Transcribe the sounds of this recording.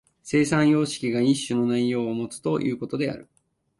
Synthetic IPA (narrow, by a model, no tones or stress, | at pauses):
se̞ːsãɰ̃jo̞ːɕi̥kʲiɡaiɕːɨno̞naijo̞ːmo̞t͡sɨ̥t̪o̞jʔɯ̟̰ːko̞t̪o̞d̪e̞a̰ɾɯ̟̰